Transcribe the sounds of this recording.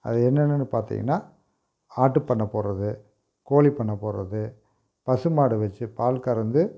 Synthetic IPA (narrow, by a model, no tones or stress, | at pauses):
ɐ̰ðɯɛnːɛnːɐnːɯpaːɾt̪ḭŋɡɐ̰nːaː | aːʈːɯpɐɳːɐpːoːɾɐðɯ | koːlipɐɳːɐpːoːɾɐ̰ðɯ | pɐsɯmaːɽɯʋɐt͡ʃːɯpaːlkɐɾɐnd̪ɯ